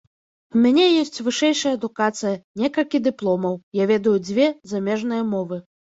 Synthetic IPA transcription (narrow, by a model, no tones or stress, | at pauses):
umʲanʲɛjɔsʲt͡sʲvɨʂɛjʂɐjɐːd̪ukat̪sɨjɐnʲɛkɐlʲkʲid̪ɨplˠɔmɐwjavʲɛd̪ɐjud͡zʲvʲɛzamʲɛʐnɨjɐmɔvɨ